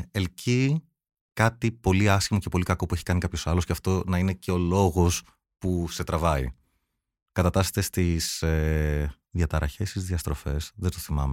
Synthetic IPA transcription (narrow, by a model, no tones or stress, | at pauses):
elci | kɐt̪ipo̞liɐscimoce̞po̞likɐko̞pue̞çi̥kɐnikɐpço̞sɐlo̞sceɐft̪o̞nɐine̞ceo̞lo̞ɣo̞s | puse̞t̪ɾɐvɐḭ | kɐt̪ɐt̪ɐse̥t̪est̪ise | ðjɐt̪ɐɾɐçe̞st̪izðiɐst̪ɾo̞fe̞sðet̪oθimɐme